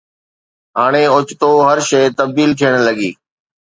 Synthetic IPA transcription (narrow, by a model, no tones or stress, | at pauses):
ɦaːɽ̃eʊt͡ʃt̪oːɦəɾʃeːt̪ɐb̚d̪iːlt̪ʰiəɽ̃ləɡḭː